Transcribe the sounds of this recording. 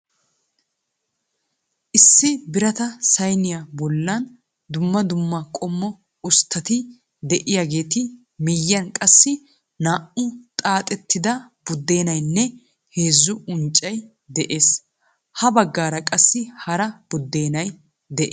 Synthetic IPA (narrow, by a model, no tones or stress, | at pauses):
ʔɪsːɪbɪɾɐt̪ɐsɐjnɪjabɔlːɐn | d̪ʊmːɐd̪ʊmːakʼɔmːɔ | ʊst̪ːɐt̪ɪ | d̪ɛʔɪjaɡe̞ːt̪ɪ | mɪjːɐnkʼɐsːɪ | naːʔʊt̪ʼaːt̪ʼɛt̪ːɪd̪ɐ | b̥ʊd̪ːe̞ːnɐjnːɛ | he̞ːzːʊʊnt͡ʃʼːɐj | d̪ɛʔe̞ːs | hɐbɐɡːaːɾɐkʼɐsːɪhɐɾɐb̥ʊd̪ːe̞ːnɐj | d̪ɛʔ